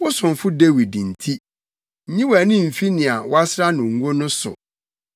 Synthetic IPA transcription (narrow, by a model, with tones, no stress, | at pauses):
wʊ˦sʊ̃˨nfʊ˦de˦wi˨dĩ˨n̩˨tʰi˦ | ɲĩ˦wæ˨nɪ̃˦m̩˨fi˦nɪ̃˨a˨wa˦sɾa˦nʊ̃˨ŋ̩˦ɡo˦nʊ̃˦sʊ̰˨